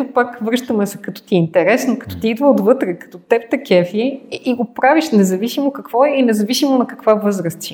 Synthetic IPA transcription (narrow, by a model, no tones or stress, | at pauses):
opakvɾɤʃt̪əmɛsɛ̥kɐt̪ɔ̥t̪iɛint̪ɛɾɛsnokɐ̥t̪ɔ̥t̪iid̪vəod̪vɤt̪ɾɛkɐ̥t̪ɔt̪ɛp̚t̪ɐkʲɛfiɛiɡopɾaviʃnɛzɐvisimokɐkvɔɛlinɛzɐvisimonɐkɐkvavɤzɾəst̪i